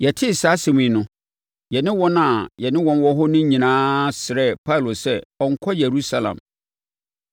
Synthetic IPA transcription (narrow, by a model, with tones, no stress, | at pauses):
jɛ˨tʰɪ˦˨sa˨˦sẽ˨mĩ˨nʊ̃˦ | jɛ˨nɪ̃˦wɔ̃˦na˨jɛ˨nɪ̃˦wɔ̃˦n˦wɔ˦ɦɔ˦nʊ̃˦ɲĩ˨nãː˦sɪ˨ɾɛ˦˨pʰa˦˨lo˨sɛ˦ɔ˨ŋ̩˨kʰɔ˦je˨ɾu˦sa˦lã̰˨m